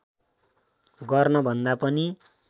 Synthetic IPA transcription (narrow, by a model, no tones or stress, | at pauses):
ɡʌrnʌbʱʌnd̪apʌni